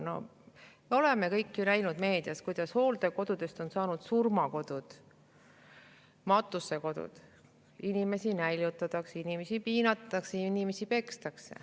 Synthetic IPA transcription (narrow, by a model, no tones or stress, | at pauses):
no̞̰meo̞leme̞kɤjkːjunæjnud̪̥me̞ːd̪̥iɑskujd̪̥ɑsho̞ːld̪̥e̞ko̞d̪̥ud̪̥e̞st̪o̞nsɑːnud̪̥surmɑko̞d̪̥ud̪̥ | mɑt̪ːˑusːe̞ko̞d̪̥ṵd̪̥ | inime̞sinæjlʲjut̪ːˑɑt̪ɑksinime̞sipiːnɑt̪ːɑksejɑinime̞sipe̞kst̪ɑksḛ